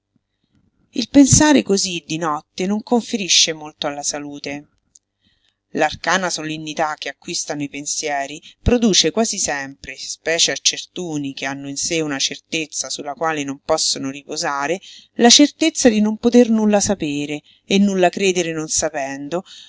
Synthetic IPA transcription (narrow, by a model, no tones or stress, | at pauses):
ilpensaːɾekozid̪ːinɔt̪ːenoŋkoɱfeɾiʃːemolt̪oalːasaluːt̪e | larkaːnasolenːit̪ak̟ːeakːwist̪anoipensjɛːɾipɾod̪uːt͡ʃekwaːzisɛmpɾespɛːt͡ʃeat͡ʃːert̪uːnikeanːoinseunat͡ʃert̪et̪sːasulːakwaːlenompɔsːonoripozaːɾelat͡ʃert̪et̪sːad̪inompot̪ernulːasapeːɾe | enːulːakɾeːd̪eɾenonsapɛnd̪o